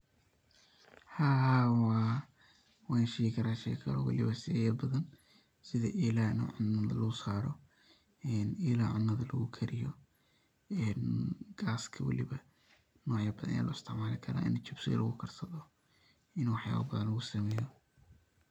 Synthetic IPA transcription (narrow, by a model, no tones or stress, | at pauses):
haːwɑ | wɑːnʃɛjɪkʰɐɾaːʃɛjkʰɐlɔ̰wɑ̰lɪβɐsɪɛjɐbɐðɐn | sɪðɐ̰ʔiːlaːnɐʕʊnːɐðɐlɐɣʊsaːɾɔ | ɛːniːlaʕʊnːɐðɐlɐɣʊkʰɐɾɪjɔ | ɛːnɡ̥aːskʰɐwɑ̰lɪ̰βɐ | nɔːʕjɐbɐðɐ̰nɐja̰ːlʔʊɪst̪ʰɪʕmaːlɪkʰɐɾa̰ːʔɪ̰nt͡ʃɪbsɪ̰ɣɐ̰lʔɐ̰ɣʊkʰɐrsɐðɔ | ɪnuːwɑħja̰ːβɐ̰bɐðɐnlɐɣʊsɐmɛːjɔ